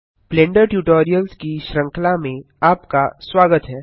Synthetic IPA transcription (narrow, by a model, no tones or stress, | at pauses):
plẽːɳɖəɾʈjuːʈoːɾijəlskiʃɾə̃ŋklamẽ | aːpkaswaːɡət̪ɦɛː